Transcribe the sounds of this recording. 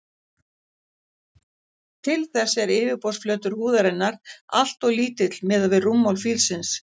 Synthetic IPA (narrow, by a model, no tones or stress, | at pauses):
t̪ʰɪlθɛsːɛɾɪːvɪpɔsflœːt̪ʏɾ̥huːðaɾɪnːaɾ̥a̰l̥t̪ɔɣliːt̪ɪt̪l̥mɪːðavɪðrumːawlfilsɪns